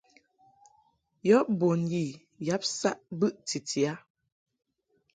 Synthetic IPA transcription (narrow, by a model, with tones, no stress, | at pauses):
jɔ˦ʔbo˨nji˦˨ | ja˦p̚sa˦ʔbɨ˦ʔti˨ti˨a˦